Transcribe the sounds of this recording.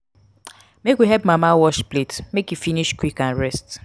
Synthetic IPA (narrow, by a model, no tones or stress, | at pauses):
mekwiɦɛpmamawɔʃpletmekjufiniʃkwikãnɹɛst